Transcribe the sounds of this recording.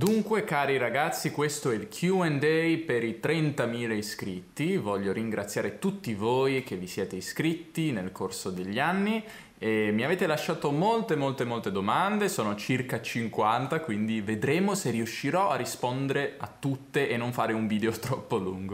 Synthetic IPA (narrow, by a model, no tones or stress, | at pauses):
d̪uŋkwekaːɾiɾaɡat̪sːikwest̪oɛilkʰjuɛnd̪ɛjpeɾit̪ɾɛnt̪amiːleiskɾit̪ːivɔʎːoɾiŋɡɾʔat̪sjaːɾet̪ut̪ːivoːjk̟evːisjɛːt̪eiskɾit̪ːinelkorsod̪eʎːanːi | emiaveːt̪elaʃːaːt̪omolt̪emolt̪emolt̪ed̪omand̪esoːnot͡ʃirkat͡ʃiŋkwant̪akwind̪ived̪ɾeːmoseriuʃːiɾɔarːispond̪eɾeat̪ːut̪ːeʔenːoɱfaːɾeuɱviːd̪eot̪ɾɔpːoluŋɡo